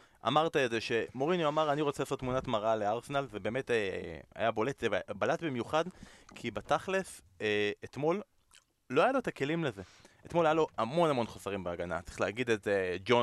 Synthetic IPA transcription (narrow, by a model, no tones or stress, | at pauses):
a̰maʁt̪aedze̞ʃe̞mo̞ʁinoamaʁaniʁot͡selasotːmunatmaʁale̞aʁsenalve̞be̞ːme̞ta̰jabo̞le̞tbalatbimjuχadkʰibataχle̞s | eet̪mo̞lː | o̞ajalot̪ake̞limleze̞et̪mo̞lajalo̞amo̞namo̞nχosaʁimbeaɡana̰tt͡sʁiχleaɡid̪eted͡ʒo